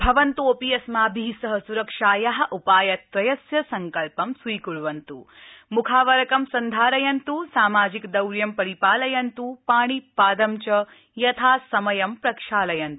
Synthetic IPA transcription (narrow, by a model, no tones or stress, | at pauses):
bʱɐʋɐnt̪oːpijɐsmaːbʱiɦsɐɦɐsuɾɐkʂaːjɐɦɐ̆ʔupaːjɐt̪ɾɐjɐsjɐsɐŋkɐlpɐmsʋuːkuɭuʋɐnt̪ṵmukʰaːʋɐɾɐkɐmsɐnd̪ʱaːɾɐjɐnt̪usaːmaːd͡ʒikd̪ɐwɾjɐmpɐɾipaːlɐjɐnt̪upaːɳ̃ipaːd̪ɐmt͡ʃɐ | jɐt̪ʰaːsɐmɐjɐmpɾɐkʂaːlɐjɐnt̪